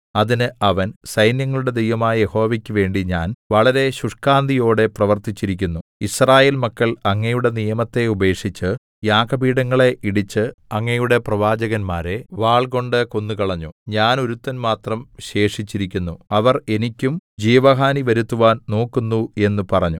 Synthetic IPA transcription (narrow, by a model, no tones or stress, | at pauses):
ɐðinɨɐʋɐnsɐjnjɐŋːɐɭuɽe̞d̪ejʋɐmaːjɐjeho̞ːʋikʲːɨʋe̞ːɳɖiɲaːnʋɐɭɐɾe̞ɕuʂkaːnd̪ʱijo̞ːɽe̞prɐʋɐrt̪it͡ɕːiɾikʲːunːuisraːje̞ːlmɐkːɐɭɐŋːɐjuɽe̞nijɐmɐt̪ːe̞ube̞ːkʂit͡ɕːɨ | jaːkɐbiːɽɐŋːɐɭe̞ʔiɽit͡ɕːɨɐŋːɐjuɽe̞prɐʋaːd͡ʑɐɣɐnmaːɾe̞ʋaːɭɡo̞ɳɖɨko̞nːukɐɭɐɲːuɲaːno̞ɾut̪ːɐnmaːt̪rɐmɕe̞ːʂit͡ɕːiɾikʲːunːuɐʋɐre̞nikʲːumd͡ʑiːʋɐɦaːniʋɐɾut̪ːuʋaːnno̞ːkːunːue̞nːupɐrɐɲːu